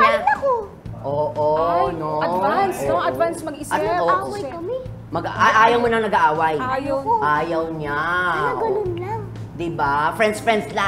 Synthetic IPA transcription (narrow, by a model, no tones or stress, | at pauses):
nɐko | ʔoːʔonoɐansoɐt̪vansmɐɡɪsɐowɐjkɐmɛ | mɐɡaʔaːjɐwmonɐŋnɐɡaʔaːwɐjaːjɐwʔaːjɐwɲaɡɐonlɐ | d̪ɪbafɹɛnd̪sfɹɛnd̪sla